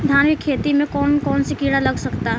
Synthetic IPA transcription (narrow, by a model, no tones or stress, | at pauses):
d̪ʱaːnmikʰːeːt̪imẽkɔːnkɔːnsekiːɽalɐɡsɐkt̪a